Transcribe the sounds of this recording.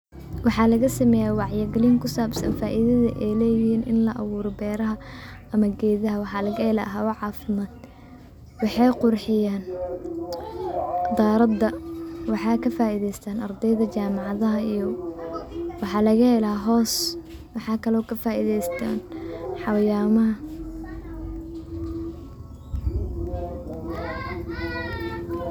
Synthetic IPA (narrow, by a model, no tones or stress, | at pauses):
wɑħɑːlɐɣɐsɐmɛjaːwɑʕjɪɡɛliŋkʰʊsaːbsɐ̰nfaːʔiðɐðɐ̰ʔɛjlɛːjɪhiːnʔɪnlɐʔɐ̰wuːɾɔbɛːɾɐɦɐɐmɐɡɛːðɐɦɐwɑħɑːlɐɣɐɛlɐ̰ɦɐwɐʕɑːfɪmaːd̪̚ | wɑħɑjqʊrħɪjaːn | d̪aːɾɐd̪ːɐwɑħɑːkʰɐfaːiðɛjst̪ʰaːnɐrd̪ɛjðɐt͡ʃaːmɑʕɑðɐɦɐijɔ | wɑħɑːlɐɣɐhɛlɐɦɔːs | wɑħɑːkʰɐlɔːkʰɐfaːʔiðɛjst̪ʰa̰ːnħɑwjaːmɐɦɐ